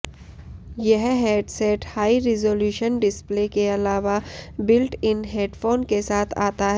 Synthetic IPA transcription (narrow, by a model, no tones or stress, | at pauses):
jɐɦɦeːɖsɛːʈhaːiɾizoːljuːʃənɖɪsplekeɐlaːʋabɪlʈɪnɦeːɖfoːnkesaːt̪ʰaːt̪aɦɛ